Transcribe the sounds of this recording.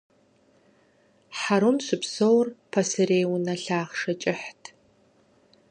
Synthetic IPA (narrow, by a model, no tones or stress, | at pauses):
ħaɾumɕʷɨpsowrpʰɐsɨreːwʊnɐɬaːʁʂɐt͡ʃʼɪħtʰ